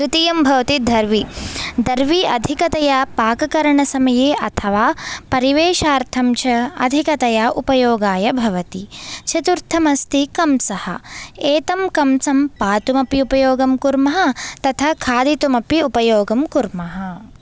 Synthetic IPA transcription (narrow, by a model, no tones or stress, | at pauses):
kɾit̪ijɐmbʱɐʋɐt̪id̪ʱɐɾʋid̪ɐɾʋiɐ̰d̪ʱikɐt̪ɐjapaːkɐkɐɾɐɳɐsɐmɐjeːʔɐt̪ʰɐʋaːpɐɾiʋeːʃaːɾt̪ʰɐmt͡ʃʰɐɐ̰d̪ʱikɐt̪ɐjaʔupɐjoːɡaːjɐbʱɐʋɐt̪it͡ʃʰɐt̪uɾt̪ʰɐmɐst̪ikɐmsɐhɐ̰eːt̪ɐmkɐmsɐmpaːt̪umɐpiupɐjoːɡɐmkuɾmɐɦɐ̆t̪ɐt̪ʰɐkʰaːd̪it̪umɐpiupɐjoːɡɐmkuɾmɐɦɐ